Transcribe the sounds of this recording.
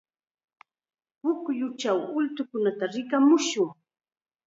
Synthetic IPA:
pʊkjʊt͡ʃawʊlt̪ʊkʊnat̪aɾɪkamʊʃʊŋ

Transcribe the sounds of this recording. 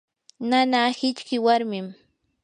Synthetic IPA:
nanaːhɪt͡ʃkɪwaɾmɪm

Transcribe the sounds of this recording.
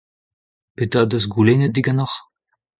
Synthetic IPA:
pet̪ad̪øzɡulenəd̪iɡanɔχ

